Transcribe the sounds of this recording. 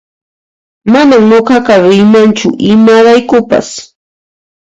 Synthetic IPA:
manamɲoɢɑɢɑɾɪmant͡ʃʊ̰ʔɪmaɾajkʊpa̰s

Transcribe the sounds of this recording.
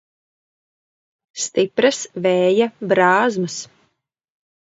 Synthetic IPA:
st̪ipɾɐsvɛːjabɾaːzmɐs

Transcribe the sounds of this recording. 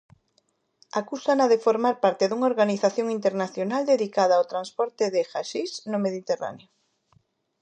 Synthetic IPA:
akusanaðefoɾmaɾpaɾt̪eðuŋaoɾɣaniθaθjoŋint̪eɾnaθjonald̪eðikaðaawt̪ɾanspɔɾt̪ɪðexaʃisnomeðit̪era̰neo

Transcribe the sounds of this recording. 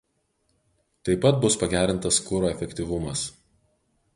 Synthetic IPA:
t̪ɐɪpɐt̪̚bʊspɐɡʲæːɾʲɪnt̪ɐskʊɾoːɛfʲɛkʲt̪ʲiʋʊmɐs

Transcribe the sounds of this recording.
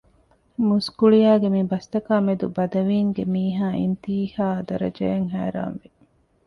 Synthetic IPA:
muskuɭijaːɡemibɐst̪ɐkaːmed̪ubɐd̪ɐʋiːŋɡemiːɦaːʔḭnt̪iːhaːɐd̪ɐɾɐ̰d͡ʒeeŋɦæ̰ːɾa̰ːnʋi

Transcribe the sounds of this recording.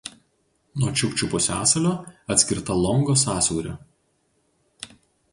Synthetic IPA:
nuɔt͡ʃʲʊkʲt͡ʃʲʊpʊsʲæːsɐlʲoːɐt̪ʲsʲkʲɪɾt̪ɐlˠɔŋɡoːsɑːsʲuːɾʲo

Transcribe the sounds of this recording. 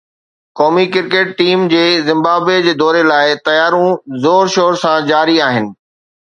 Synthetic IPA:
kɔːmikɪɾkeːʈ̚ʈiːmd͡ʑeːzɪ̃mbaːbed͡ʑeːd̪ɔːɾelaːɪt̪ɐjaːɾũzoːɾʃoːɾsãd͡ʑaːɾiaːɦɪnɪ̆

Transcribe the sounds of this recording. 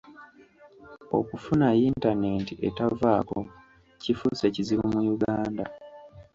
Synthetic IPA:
o̰kufunajintane̞ːntiʔetavaːko | cifuse̞ciziβumujuɡaːnda

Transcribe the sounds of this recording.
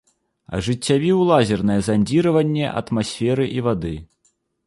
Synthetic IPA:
ɐ̰ʐɨt͡sʲːavʲiwlˠazʲɛrnɐjɛzanʲd͡zʲiɾɐvɐnʲːɛʔɐ̰t̪masʲfʲɛɾɨʔivad̪ɨ

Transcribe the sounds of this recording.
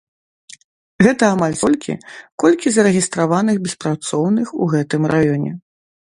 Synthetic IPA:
ɣɛt̪ɐamalʲsɔlʲkʲʰḭkɔlʲkʲizɐɾɛɣʲist̪ɾavanɨɣbʲɛspɾat̪sɔwnɨxuɣɛt̪ɨmɾajɔnʲɛ̰

